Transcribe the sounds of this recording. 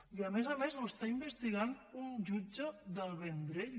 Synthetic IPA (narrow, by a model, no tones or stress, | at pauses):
iəmezamezəst̪aimbəst̪iɣanunʒud͡ʒəðəlˠβend̪ɾe